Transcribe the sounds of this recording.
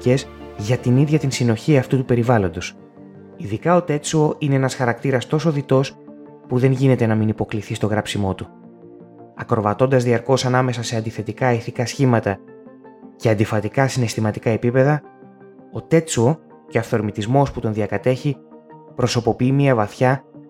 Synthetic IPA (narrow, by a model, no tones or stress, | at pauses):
ice̞zʝɐt̪iniðʝɐt̪insino̞çiɐft̪ut̪upe̞ɾivɐlo̞nd̪o̞s | iðikɐo̞t̪e̞t͡suo̞ine̞enɐsxɐɾɐk̚t̪iɾɐst̪o̞so̞ðit̪o̞s | puðe̞nʝine̞t̪e̞nɐminipo̞kliθist̪o̞ɣɾɐpsimo̞t̪u | ɐkɾo̞vɐt̪o̞nd̪ɐzðiɐɾko̞sɐnɐme̞sɐse̞ɐnd̪iθe̞t̪ikɐiθikɐsçimɐt̪ɐ | ce̞ɐnd̪ifɐt̪ikɐsine̞st̪imɐt̪ikɐe̞pipe̞ðɐ | o̞t̪e̞t͡suo̞ | ceɐfθo̞ɾmit̪izmo̞sput̪o̞nðiɐkɐt̪e̞çipɾo̞so̞po̞piimiɐvɐθçɐ